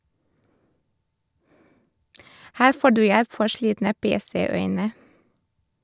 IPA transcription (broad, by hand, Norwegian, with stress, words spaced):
ˈhæːɾ ˈfoː ˈɖʉː ˈjɛp ˈfɔɾ ˈʃliːtnə ˈpeːˌseːˌœʏnə